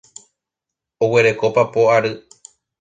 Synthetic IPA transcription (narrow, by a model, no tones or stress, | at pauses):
owe̞ɾe̞ko̞papoaɾɨ